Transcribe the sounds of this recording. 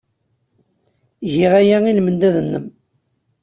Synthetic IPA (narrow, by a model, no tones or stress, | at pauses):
ʝiʁæjæilmənd̪æðənːəm